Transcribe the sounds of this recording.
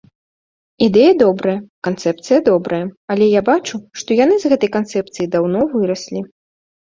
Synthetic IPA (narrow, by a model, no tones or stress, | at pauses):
id̪ɛjɐd̪ɔbɾɐjɐkant̪sɛp̚t̪sɨjɐd̪ɔbɾɐjɐɐlʲɛjabat͡ʂuʂt̪ɔjan̪ɨzɣɛt̪ɐjkant̪sɛp̚t̪sɨjid̪awnɔvɨɾɐsʲlʲi